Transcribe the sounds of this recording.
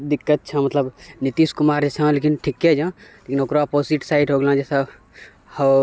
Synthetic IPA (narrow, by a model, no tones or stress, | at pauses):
d̪ikːət̪̚t͡ʃʰamət̪ləbnit̪iskumaːɾd͡ʒɛːsãlekinʈʰikːed͡ʒãlekinokɾoaposiʈsaiʈɦoːɡlãd͡ʒɛsa | hə